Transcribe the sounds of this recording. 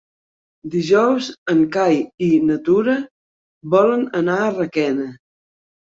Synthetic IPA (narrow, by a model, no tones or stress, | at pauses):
d̪iʒɔwzəŋkajinət̪uɾə | βɔlənənaərəkɛnə